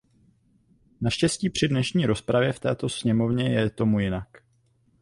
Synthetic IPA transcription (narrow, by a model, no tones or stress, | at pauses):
naʃcɛsciːpr̥ɪdnɛʃɲiːɾo̞spɾavjɛft̪ɛːt̪o̞sɲɛmo̞vɲɛjɛt̪o̞mujɪnak